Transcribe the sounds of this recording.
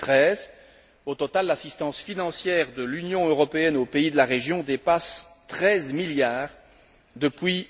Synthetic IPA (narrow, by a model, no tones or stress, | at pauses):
t̪χɛːz | ot̪ɔt̪alːasist̪ɑ̃sfinɑ̃sjɛʁd̪əlynjɔ̃øʁɔpeɛnopeid̪əlaʁeʒjɔ̃d̪epast̪χɛzmiljaːʁ | d̪əpɥi